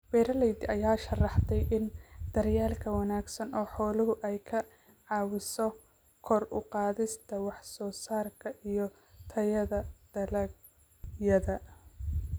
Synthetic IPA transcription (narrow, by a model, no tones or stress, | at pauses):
bɛːɾɐlɛjd̪ɪɐjaːʃɐrɑħt̪ʰɛjʔɪnd̪̥ɐrjaːlkʰɐwɑnaːɡsɐnɔːħɔːlʊɦʊʔɛjkʰɐ | ʕɑːwɪsɔ | kʰɔrʊ̰qɑːðɪst̪ʰɐwɑħsɔːsaːrkʰɐʔijɔ | t̪ʰɐjɐðɐd̪̥ɐlɐɡ | jɐðɐ